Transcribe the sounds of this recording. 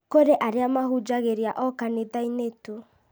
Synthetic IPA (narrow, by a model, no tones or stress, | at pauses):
koɾeʔaɾeamaɦud͡ʒaɣeɾiaʔɔkaneðaineto